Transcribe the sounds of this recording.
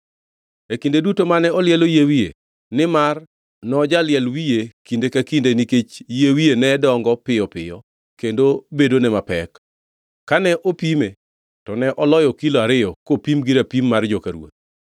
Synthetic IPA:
ekindedutomanɛɔljɛlojewije | nɪmar | nɔd͡ʒalɪɛlwijekindekakindeniket͡ʃjewijenɛdɔŋɡɔpɪjɔpɪ̰jɔ | kendobedonɛmapɛkː | anɛʔopime | tɔnɛʔɔlɔjɔkiloaɾɪjɔkopimɡiɾapimːard͡ʒɔkaɾwo̰t̪̚

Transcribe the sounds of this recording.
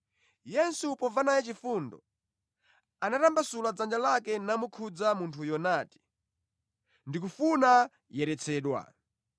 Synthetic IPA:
jɛnsupɔvanajɛt͡ʃifundɔ̰ | anatambasulad͡zand͡ʒalakɛnamukʰud͡zamuntʰujɔnaːti̥ | ndik̬ufuna | jɛɾɛt͡sʰɛːɗwa̰

